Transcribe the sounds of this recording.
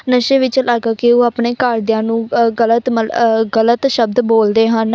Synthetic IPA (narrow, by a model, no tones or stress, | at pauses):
nəʃeːʋɪt͡ʃlaːɡaːkioːaːpneːkaːɾd̪ɪjãːnũːɡələt̪məɡələt̪ʃəb̚d̪boːld̪eːɦən